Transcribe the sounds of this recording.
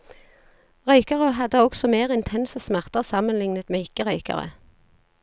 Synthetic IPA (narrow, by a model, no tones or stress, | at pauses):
ʁœʏkəʁəɦɑd̪əɔksɔmeːʁɪnt̪ʰɛnsəsmæʁt̪əʁsɑmənlɪŋnət̪meːɪkəʁœʏkɑ̰ʁə̰